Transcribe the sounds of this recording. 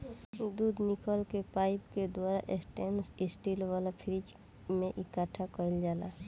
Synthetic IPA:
d̪uːd̪nɪkəlkepaːɪpked̪waːɾaʔesʈensɪsʈilʋaːlapʰɪɾɪd͡ʒ | mẽʔɪkaʈʰakəɪld͡ʒaːla̰

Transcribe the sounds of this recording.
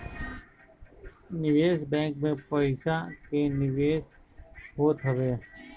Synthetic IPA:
nɪʋeːsbɛ̃ːŋkmẽpəɪsakenɪʋeːs | ɦoːt̪ɦəʋeː

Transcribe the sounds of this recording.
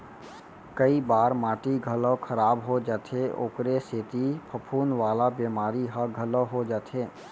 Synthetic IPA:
kəibaːɾmaːʈiɡʱələkʰəɾaːbɦod͡ʒaːt̪ʰeo̰ːkɾeseːt̪ipʰəpʰuːnʋaːlabeːmaːɾiɦəɡʱələɦod͡ʒaːt̪ʰeː

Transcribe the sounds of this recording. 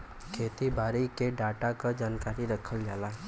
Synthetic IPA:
kʰeːt̪ibaːɾikeɖaːʈakad͡ʒaːnkaːɾiɾəkʰəld͡ʒaːlaɦɛ

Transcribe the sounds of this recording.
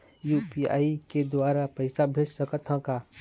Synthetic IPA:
juːpia̰ːiked̪waːɾapɛɪsabʱeːd͡ʒsəkət̪ʰə̃ka

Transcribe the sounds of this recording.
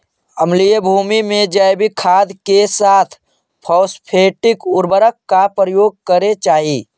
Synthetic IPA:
əmlijəbʱuːmimẽd͡ʒajbikʰaːd̪kesaːt̪ʰ | pʰɔːspʰeːʈɪkʊɾbəɾəkːapɾəjoːɡ̚kəɾet͡ʃaːɦi

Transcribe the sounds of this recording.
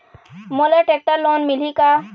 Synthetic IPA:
moleʈek̚ʈəɾloːnmɪlika

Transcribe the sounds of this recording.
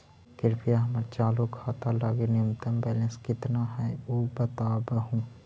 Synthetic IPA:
kɪɾpijaɦəməɾt͡ʃaːlokʰaːt̪alaːɡenɪjʊmt̪əmbɛːlə̃nskɪt̪naɦɛoːbət̪aːbəɦũː

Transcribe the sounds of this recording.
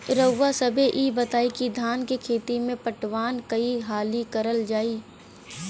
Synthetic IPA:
ɾəwːasɐbʱeʔiːbɐt̪aːikid̪ʱaːnkekʰeːt̪imẽpəʈʋaːnkɐiɦaːlikɐɾəld͡ʒaːiː

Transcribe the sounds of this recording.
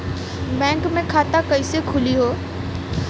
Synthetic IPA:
bɛ̃ːŋkmẽkʰaːt̪akɐisekʰʊliɦoː

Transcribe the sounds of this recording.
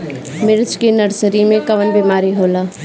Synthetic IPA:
mɪɾt͡ʃkinəɾsəɾimẽkɐʋənbeːmaːɾiɦoːlaː

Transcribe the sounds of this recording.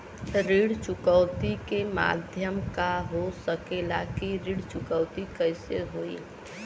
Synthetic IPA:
ɾiːɽt͡ʃʊkəʊt̪ikema̰ːd̪ʱjəmkaɦosəkelakiɾiɽt͡ʃʊkəʊt̪ikəɪseɦoːḭ

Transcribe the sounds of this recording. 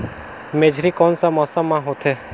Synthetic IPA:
meːd͡ʒʱɾiːkɔːnsamɔsamãɦot̪ʰeː

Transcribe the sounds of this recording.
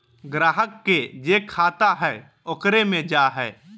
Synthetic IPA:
ɡɾaːɦəkːed͡ʒeːkʰaːt̪aɦɛː | ʊkɾemẽd͡ʒaːɦɛː

